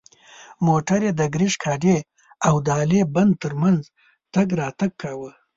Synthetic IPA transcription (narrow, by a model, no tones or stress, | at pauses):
moʈaɾjed̪əɡɾiʃkʰɑɖe | awd̪əɑleband̪̚t̪əɾmanz | t̪aɡɾɑt̪aɡ̚kawə